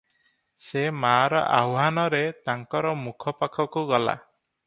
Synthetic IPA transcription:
semaːɾɔ̰ʔawɦanɔɾet̪aŋkɔɾɔmukʰɔpakʰɔkuɡɔla̰

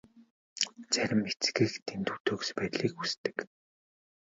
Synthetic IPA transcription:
t͡sæɾʲɪ̆met͡sɡɘ̆xt̪ʰent̪ʰu̥t̪ɵːkspæːt̪ɮiːkust̪ɘ̥̆k

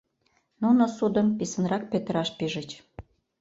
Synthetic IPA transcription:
nunosud̪əmpisənrɑk̚pet̪əɾɑʃpiʒə̆t͡ɕ

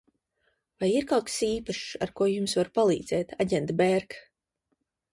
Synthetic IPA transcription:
vajiɾkawksiːpaʃaɾkuɔjumsvaɾpalˠḭːd̪z̥ɛːt̪aɟɛnt̪bɛɾk

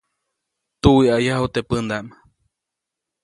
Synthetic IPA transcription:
t̪uwiajaɦut̪epɨnd̪aʔm

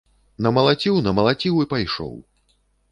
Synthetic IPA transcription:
nɐmɐlˠat͡sʲiwnɐmɐlˠat͡sʲiwipajʂɔ̰w

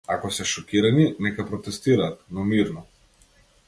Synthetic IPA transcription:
akɔsɛʃɔkiɾaninɛkapɾɔt̪ɛst̪iɾaːt̪nɔmiɾnɔ

